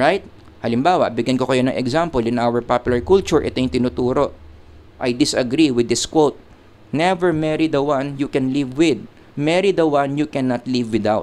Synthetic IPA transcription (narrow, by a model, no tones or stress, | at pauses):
ɹajt̪̚ | hɐlɪmbaːwɐ̰ʔbɪɡjɐnkokɐjo̞nɐŋʔɛɡzampɔlɪ̃nʔawɛɹpapjʊlɐɹkult͡ʃʊɹʔɛ̰t̪ojʊŋt̪ɪnut̪uːɾo̞ʔ | ʔɐjd̪ɪsɐɡɾiwɪd̪ːɪskwowt̪̚ | nɛvɛɹmɛɹid̪ɐwɐnjukɛnlivwɪd̪̚ | mɛɹid̪ɐwɐnjukɛnɐt̪livwɪd̪awt̪